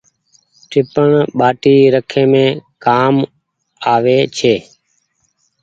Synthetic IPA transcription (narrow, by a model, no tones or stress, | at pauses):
ʈʰɪpəɳɓaːʈiːɾəkʰẽːmẽːkaːm | aːʋeːt͡ʃʰeː